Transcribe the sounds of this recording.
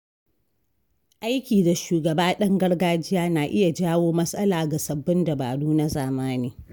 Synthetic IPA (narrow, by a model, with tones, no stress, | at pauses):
ʔa˦jkʲiː˨da˨ʃuː˨ɡɐ˨baː˦ɗɐ˦ŋɡɐ˦ɽɡaː˦d͡ʒɪ˦jaː˦naː˨ʔɪ˦ja˨d͡ʒaː˦woː˦mɐ˦sʼɐ˦laː˨ɡa˨sɐ˨bːɪ˦nda˨ba̰ː˨duː˦na˦zaː˨maː˦niː˦